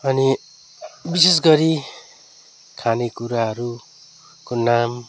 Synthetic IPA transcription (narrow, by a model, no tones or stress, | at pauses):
ʌni | bises̬ɡʌɾi | kʰanekuɾaɦʌɾu | konam